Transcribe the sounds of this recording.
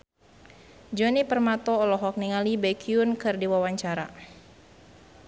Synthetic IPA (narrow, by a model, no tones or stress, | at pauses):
d͡ʒɔnipərmat̪ɔːlɔɦɔk̚niŋalibɛkʰiunkɨrdiwawaɲt͡ʃaɾa̰